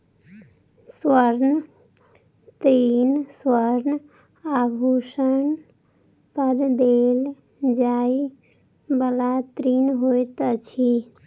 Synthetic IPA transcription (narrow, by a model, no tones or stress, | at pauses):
swəɾn | t̪ɾinswəɾn | abʱusən | pəɾd̪el | d͡ʒai | bəlat̪ɾinɦojt̪t͡ʃʰi